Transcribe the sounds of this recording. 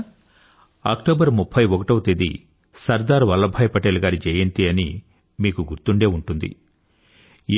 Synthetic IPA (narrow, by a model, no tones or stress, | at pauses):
a̰ːkʈoːbɐɾmupʰːɐjɔkɐʈɐʋt̪ed̪ḭ | sɐɾd̪aːɾʋɐlːɐbʱɐːjpɐʈeːluɡaːɾid͡ʒɛjent̪iɐni | miːkuɡuɾt̪uɳɖe̞ːuɳʈund̪ḭ